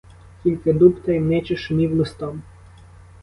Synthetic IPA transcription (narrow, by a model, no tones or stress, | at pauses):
kʲilʲkɪd̪upt̪ɐjmnɛt͡ʃɪʃʊmʲiwlˠɪst̪ɔm